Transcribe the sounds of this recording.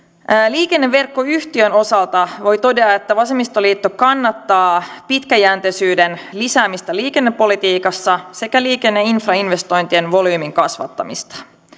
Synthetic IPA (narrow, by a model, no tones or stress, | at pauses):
liːke̞nːeʋːe̞rkːo̞yçt̪iøno̞sɑlt̪ɑʋo̞jt̪o̞de̞ɑe̞t̪ːæʋɑse̞mist̪oliːt̪ːo̞kɑnːɑt̪ːɑːpit̪kæjæːnt̪esyːdenlisæːmist̪æliːke̞nːepːo̞lit̪iːkɑsːɑse̞kæliːke̞nːeinfrɑinʋe̞st̪o̞jnt̪ienʋo̞lyːmiŋkɑsʋɑ̰t̪ːɑ̰mḭst̪ɑ̥